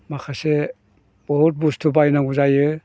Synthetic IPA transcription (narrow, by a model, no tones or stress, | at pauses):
makʰase | b̥ɔɦut̚bustʰubajnaŋuzajɯ